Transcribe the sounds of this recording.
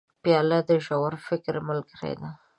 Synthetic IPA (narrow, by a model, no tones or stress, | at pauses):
pjɑlad̪əʒawaɾfɪkɾmʊlɡəɾḛd̪a